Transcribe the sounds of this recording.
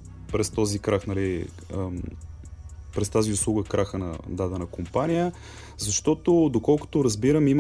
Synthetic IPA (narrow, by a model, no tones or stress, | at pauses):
pɾɛst̪ɔzikɾaxnɐli | pɾɛst̪aziʊslˠuɡəkɾaxənɐ̰d̪ad̪ɛnɐkompanijə | zɐʃt̪ɔt̪od̪okɔlˠko̥t̪ʊɾɐzbiɾəmim